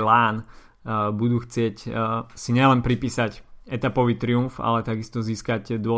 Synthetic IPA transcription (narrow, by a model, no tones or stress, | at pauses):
laːn | bud̪uːxt͡sɪɛcsiɲɪɛlɛnpɾipiːsacɛt̪apɔʋiːt̪ɾiunfa̰lɛt̪aɡist̪ɔziːskaɟd̪ʊɔ